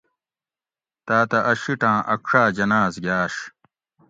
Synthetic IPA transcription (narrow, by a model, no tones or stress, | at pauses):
t̪aːt̪ɐʔɐɕiʈãːʔɐkʂaːd͡ʑɐnaːzɡjaːʂ